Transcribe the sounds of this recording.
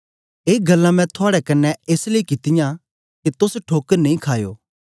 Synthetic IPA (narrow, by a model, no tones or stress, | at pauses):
eːɡɐlːãmɛ̃t̪ʰʊaːɽɛkɐnːɛeːsleikɪt̪ɪjã | ket̪ʊsʈʰoːkəɾnɐ̃ĩkʰaːjo̰ː